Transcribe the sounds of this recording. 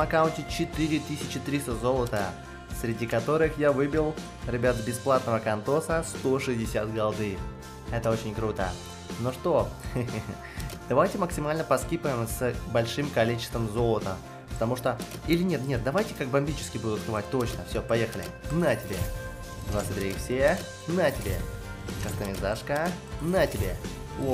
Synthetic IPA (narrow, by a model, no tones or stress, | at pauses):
ɐkaʊnʲtʲɪt͡ɕɪt̪ɨɾʲɪt̪ɨsʲɪt͡ɕɪt̪ɾʲist̪əzo̞lˠət̪ə | sɾʲɪdʲikɐt̪o̞ɾɨxjavɨbʲɪlˠ | ɾʲɪbʲat̪əbʲɪsplˠat̪nəvəkɐnt̪o̞səst̪o̞ʂɨzʲdʲɪsʲat̪ɡɐlˠd̪ɨj | ɛt̪əo̞t͡ɕɪnʲkɾut̪ə̰ | noʂt̪o̞ | d̪̥ɐvajtʲɪməksʲɪmalʲnəpɐskʲipəɪmsbɐlʲʂɨmkɐlʲit͡ɕɪ̥st̪vəmzo̞lˠət̪ə | pə̥t̪ɐmuʂt̪oilʲɪnʲet̪nʲe̞t̪̚d̪ɐvajtʲɪkak̚bɐmʲbʲit͡ɕɪ̥skʲɪbud̪ʊt̪kɨvat̚ʲt̪o̞t͡ɕnəfsʲopɐjexəlʲɪ̰nətʲɪbʲḛ | nasɨd̪ʲɾʲefsʲe | nətʲɪbʲḛkəst̪əmʲɪzaʂkə | nətʲɪbʲe | o